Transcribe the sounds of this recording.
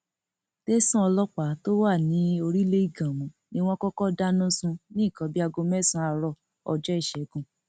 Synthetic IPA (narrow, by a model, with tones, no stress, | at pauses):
te˦sũ˦ɔ˧lɔ˦k͡pa˨˦to˦wa˦˨nĩ˨˦o˧ɾi˦le˦i˦˨ɡã˨mɔ̃˨˦nĩ˦w̃ɔ̃˦kɔ˦kɔ˦da˦nũ˦sũ˧nĩ˦˨kɔ̃˨˦bi˦a˧ɡo˧mɛ˦˨sũ˧˦a˧ɾɔ˧˨ | ɔ˧d͡ʒɔ˦i˦˨ʃɛ˨˦ɡũ˦˨